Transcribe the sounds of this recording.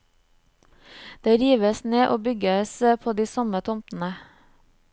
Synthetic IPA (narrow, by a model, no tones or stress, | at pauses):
d̪̥eːɾiːʋəsneːʔoːbʏɡəsəpʰoːd̪iːsɔmət̪ʰʊmtn̩ə